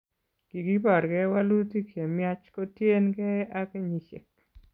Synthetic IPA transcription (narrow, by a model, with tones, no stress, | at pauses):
ɡ̥i˨ɡi˦pa˨ɾɡɛ˦wa˦lu˦ti˦kje˨mja˦t͡ʃko˦tje˦nɡɛ˦a˦ke˦ɲi˨ʃe˨k